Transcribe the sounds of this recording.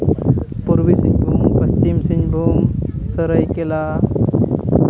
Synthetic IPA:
puɾbisiɲbʱumkəst͡ʃimsiɲbʱumsəɾəjkela

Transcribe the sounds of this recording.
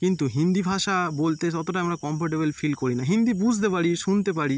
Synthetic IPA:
kint̪uɦind̪ibʱaʃabolt̪et̪ɔt̪oʈaamɾakɔmpʰoɾʈebelfʰilkoɾinaɦind̪ibud͡ʑʱt̪epaɾiʃunt̪ep̬aɾi

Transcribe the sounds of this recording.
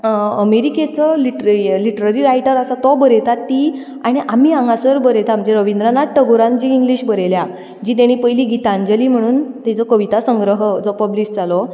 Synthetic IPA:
əmeɾiket͡səliʈliʈəɾaɾiɾajʈəɾəsat̪ɔbəɾet̪at̪ːi | aɽ̃iʔamiːãŋɡasəɾbəɾet̪am̤əd͡zeɾəʋind̪ɾanaʈəɡoɾãnd͡ʑiːŋɡliɕbəɾelja | d͡ʑiːt̪̬aɽ̃ipəjliɡit̪aɲd͡ʑəliːm̤əɽ̃uːnt̪ɛt͡sɔkəʋit̪asəŋɡɾəɦəd͡zɔpəblisd͡zalɔ

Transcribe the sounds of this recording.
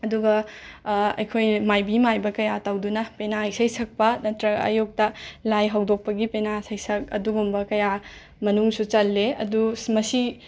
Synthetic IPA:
ɐduɡɐ | ɐ̰jkʰojmajbimajbɐkɐjatawdunɐpenaijsɐjsʰɐk̚pɐnɐtɾɐɐ̰juk̚tɐlajɦawdok̚pɐɡipenasajsɐk̚ɐ̰duɡumbɐkɐja | mɐnuŋsut͡ʃɐlːeɐ̰dusmɐsi

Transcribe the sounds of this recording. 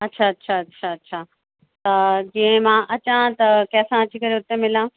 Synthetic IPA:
ɐtːɕʰaɐtːɕʰaɐtːʃʰaɐtːɕʰaː | t̪ɐd͡ʑĩːẽmãːʔɐt͡ɕãt̪ɐkɐɦsãɐt͡ɕʰikɐɾeʊt̪emɪlã

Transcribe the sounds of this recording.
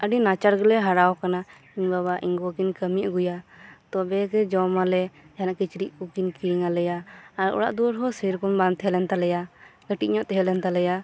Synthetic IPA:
əɖinat͡ʃaɾɡɔlɛɦaɾawkana | iɲbaβaʔiŋɡɔkinkəmiaʔɡujat̪ɔbɛkɛd͡ʒɔmalɛd͡ʒanaʔkit͡ʃɾiʔkukinkiiŋalɛjaːɾɔ̰ɽa̰ʔd̪uɾɦɔsiɾkɔnbant̪ɛɦɛlɛnt̪alɛjaɡ̥əʈiʔ̚ɲɔʔt̪ɛɦɛlɛnt̪alɛja

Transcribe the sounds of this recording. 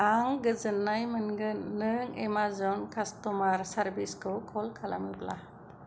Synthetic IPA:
aŋɡɯzɯnːajmɯnɡɯnːɯŋemazɔnkʰastɔmaɾsaɾbiskʰɯwkʰɔlkʰala̰mɯpla̰

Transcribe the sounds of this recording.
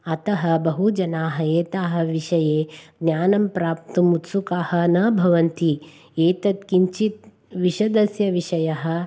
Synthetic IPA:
ɐt̪ɐɦɐ̆bɐɦud͡ʒɐnaːɦɐeːt̪aːɦɐ̆ʋiʃɐjeːɡnjaːnɐmpɾaːp̚t̪umut̪sukaːhɐ̆nɐːbʱɐʋɐnt̪i | eːt̪ɐt̪kiɲt͡ʃit̪̚ | ʋiʃɐd̪ɐsjɐʋiʃɐjɐɦɐ̆

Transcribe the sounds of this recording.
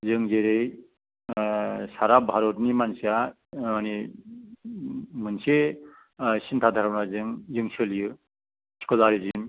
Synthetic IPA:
zɯŋzeɾɯj | saɾabʱaɾɔtnimansia | ani | mɯnse | sintʰad̪ʱaɾabnazɯŋzɯŋsɯlijɯ | sʰi̥kɔzaɾizim

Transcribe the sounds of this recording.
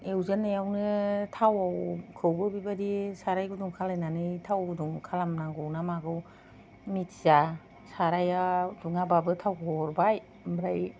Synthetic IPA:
ewzanːajawnɯtʰawawkʰɯwbɯbibadisaɾajɡɯduŋkʰalajnanɯjtʰawɡɔduŋkʰalamnaŋɡɯwnamaɡɯw | mitza | saɾajaduŋababɯtʰawkʰɔɾbaj | bɾaj

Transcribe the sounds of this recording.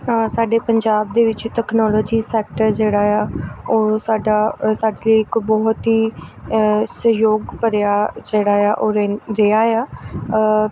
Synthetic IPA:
saːɖeːpəɲd͡ʒaːb̚d̪eːʋɪt͡ʃʈɛːknɔːlɔːd͡ʒiːsɛːk̚ʈəɾd͡ʒeːɽaːjaːoːsaːɖaːsaːɖeləiɪkbɔːt̪ɦiː | səjoːɡpəɾjaːd͡ʒeːɽaːjaːʔoːɾɾeaːjaː

